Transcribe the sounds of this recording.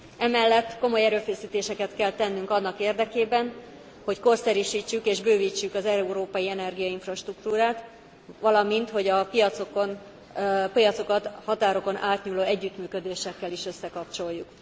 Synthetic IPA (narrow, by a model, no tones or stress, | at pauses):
ɛmɛlːɛt̪ːko̞mo̞jɛɾøːfɛsiːt̪eːʃɛkɛt̪kɛlt̪ɛnːyŋkɒnːɒkeːrd̪ɛkeːbɛn | ho̞cko̞rsɛɾyʃiːt͡ʃːykeːʒbøːviːt͡ʃːykɒzɛuɾoːpɒjiɛnɛrɡijɒiɱfrɒʃt̪rukt̪uːɾaːt̪ | ʋɒlɒmint̪ho̞ɟɒpijɒt̪sokon | pijɒt̪so̞kɒt̪hɒt̪aːɾo̞ko̞nʔaːt̪ɲuːloːɛɟːyt̪myːkø̞d̪eːʃɛkːɛliʃø̞sːɛkɒpt͡ʃo̞jːuk